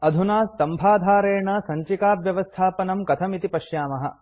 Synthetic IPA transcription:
ɐd̪ʱunaːst̪ɐmbʱaːd̪ʱaːɾeːɳɐsɐɲt͡ʃikaːpjɐʋɐst̪ʰaːpɐnɐmkɐt̪ʰɐmit̪ipɐʃjaːmɐɦɐ̰

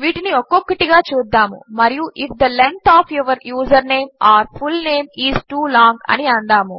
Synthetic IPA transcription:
ʋiːʈiniokokːɐʈiɡaːt͡ʃuːd̪ːaːmṵmɐɾijuʔifʰd̪ɐlent̪ʰaːpʰjuʋɐɾjuːzɐɾneːmaːɐɾfʰulneːmiːzʈuːlaːŋɡɐ̰niɐɳɖ̪aːmu

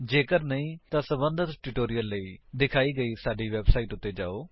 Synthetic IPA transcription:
d͡ʒeːkəɾnəĩːt̪ãːsəbənd̪ʱət̪ʈɪʈoːɾijəlːəiːd̪ɪkʰaːiːɡəiːsaːɖiːʋɛːbsaːiːʈʊt̪ːeːd͡ʒa̰ːoː

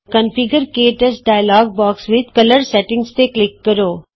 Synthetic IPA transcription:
kə̃nfɪɡəɾkeːʈəsɖaːɪlɔːɡ̚bɔːksʋɪd̪̚kɐləɾsɛʈɪ̃ŋɡst̪eklɪkːɐɾoː

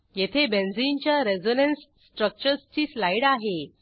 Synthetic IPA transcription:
jet̪ʰebend͡zint͡ɕjaɾed͡zonensːʈɾək̚t͡ɕəɾst͡ɕiːslajɽaɦe

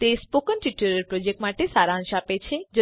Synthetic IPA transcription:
t̪espokənʈiʈuɾeɾpɾod͡ʒek̚ʈmaʈesaɾaaŋʃapet͡ɕʰed͡ʒo

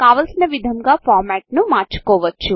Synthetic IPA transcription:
kaːʋɐlsinɐʋid̪ʱɐmɡaːpʰaːɾmɛːʈnumaːɾt͡ʃu̥kɔːʋɐt͡ʃːu

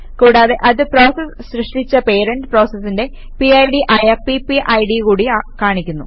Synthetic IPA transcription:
kuːɽaːðe̞ʔɐðɨpro̞ːsɐsɕrɨʂʈit͡ɕːɐpe̞ːɾɐɳɖɨpro̞ːsɐsːinde̞ | piɐjɖiʔɐjɐpipiʔɐjɽikuːɽikaːɳikʲːunːṵ

